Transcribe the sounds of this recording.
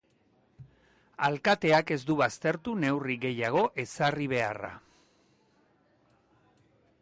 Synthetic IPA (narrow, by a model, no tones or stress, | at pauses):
alkat̪e̞ake̞zd̪uβast̪e̞ɾt̪une̞wriɡe̞jaɣ̞o̞ʔe̞sariβ̞e̞a̰ra̰